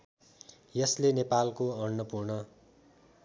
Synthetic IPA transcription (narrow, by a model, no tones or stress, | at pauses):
jʌslenepalkoʌɳːʌpurɳʌ